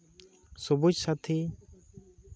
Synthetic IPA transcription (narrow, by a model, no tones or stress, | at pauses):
subud͡ʒsat̪ʰi